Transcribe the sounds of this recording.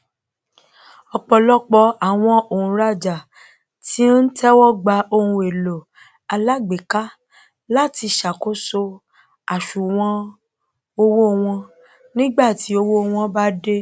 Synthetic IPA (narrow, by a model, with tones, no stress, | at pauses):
ɔ˧k͡pɔ˧lɔ˦k͡pɔ˧a˨w̃ɔ̃˧o˨ũ˨ɾa˦˨d͡ʒa˨ | ti˦n̩˦tʰɛ˦wɔ˦˨ɡ͡ba˧o˧hũ˧e˨lo˨ | a˧la˦ɡ͡be˨ka˦ | la˦˨ti˧ʃa˨ko˦so˧ | a˨ʃu˨w̃ɔ̃˦ | o˧wo˦˧w̃ɔ̃˧ | nĩ˦ɡ͡ba˦˨ti˨˦o˧wo˦˧w̃ɔ̃˧ba˦de˦